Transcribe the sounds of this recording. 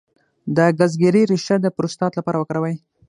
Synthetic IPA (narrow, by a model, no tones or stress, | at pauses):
d̪əɡazɡeɾiɾɪʃad̪əpɾost̪ɑt̪lapɑɾawəkɽawaj